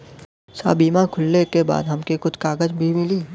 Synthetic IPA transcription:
sa̰ːbiːmakʰʊlːekeba̰ːd̪ɦɐmkekʊt͡ʃʰkaːɡəd͡ʒbʱimɪliː

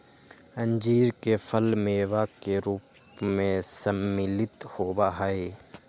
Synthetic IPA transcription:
ə̃ɲd͡ʒiːɾkefʰəlmeːʋakeɾuːp | mẽsəmːɪlɪt̪hoːbaɦaeː

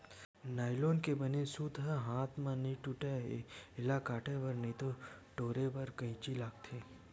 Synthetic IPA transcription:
naːɪloːnkebɐnesuːd̪ʱaɦaːt̪ʰmãnĩʈuʈaɦeɪlakaːʈepɐɾnɐĩt̪oʈoːɾepɐɾkɐĩt͡ʃilaːk̚t̪ʰeː

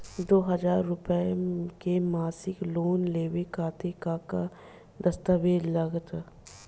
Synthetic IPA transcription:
d̪oːɦɐd͡ʒaːɾːʊpəkemaːsɪkloːnleːʋekaːt̪ekaka | d̪ɐst̪əʋeːd͡ʒlɐɡt̪

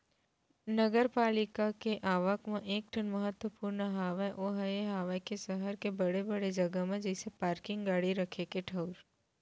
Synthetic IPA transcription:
nəɡəɾpaːlɪkakeʔaːʋəkmẽʔeːk̚ʈʰənmɐɦət̪wəpuːɾnəɦaːʋaʔoːɦɐeɦaːʋakesɐɦəɾkebɐɽebɐɽed͡ʒɐɡəmẽd͡ʒɪsepaːɾkɪ̃ŋɡɡaːɽiɾɐkʰekeʈʰɐʊɾ

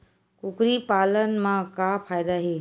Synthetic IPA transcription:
kʊkɾipaːlənmãkapʰaːjd̪aɦiː

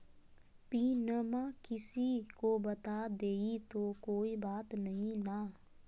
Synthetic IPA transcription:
piːnəmãkɪsikobɐt̪aːd̪eːit̪okoːibaːt̪nɐɦĩna

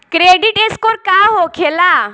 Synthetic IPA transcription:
kɾeɖiʈeskoɾkaɦokʰela

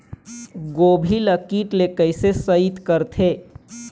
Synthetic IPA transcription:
ɡobʱiləkiʈlekəjsesəit̪kəɾt̪ʰe

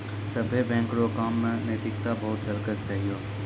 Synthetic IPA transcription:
sɐbʱebɛ̃ːŋkɾokaːmːẽnet̪ɪkt̪abɐɦʊt̪̚t͡ʃɐlkət̪̚t͡ʃaːɦijoː

